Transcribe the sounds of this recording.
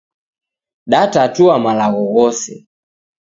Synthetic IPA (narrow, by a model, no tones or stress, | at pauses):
ɗatatuamalaɣɔɣɔsɛ̰